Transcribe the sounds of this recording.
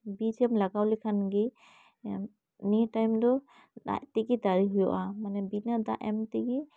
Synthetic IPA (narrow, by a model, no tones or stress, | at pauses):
bizɛmlaɡawlikʰanɡi | nitajmdɔ | da̰ʔtiɡidaɾiɦujɔʔamanɛbinada̰ʔɛmtiɡi